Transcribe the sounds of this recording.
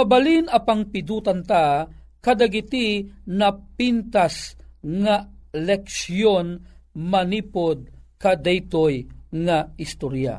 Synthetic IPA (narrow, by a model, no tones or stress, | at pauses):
ɐbɐlinɐpaŋpɪd̪uːt̪ant̪a | kɐd̪aɡɪt̪inɐpint̪asŋalɛksjonmɐniːpod̪̚kɐd̪ɛjt̪ojŋaɪst̪oɾja̰